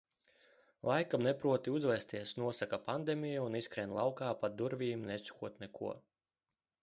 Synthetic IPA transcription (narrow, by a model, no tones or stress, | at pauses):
lˠajkamnɛpɾuɔt̪iuzvɛst̪iɛsnuɔsakapand̪emijuuniskɾɛnlˠawkaːpad̪uɾvʲiːmnɛsu̥kuɔt̪nɛkṵɔ